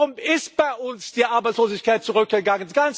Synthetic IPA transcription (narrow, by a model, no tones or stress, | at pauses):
ʊmɪstb̥aɪʔʊnsd̥iːʔaɐbaɪt͡ssloːzɪçkʰaɪt̚t͡suʁʏk̚ɡ̥əɡaŋənɡ̥an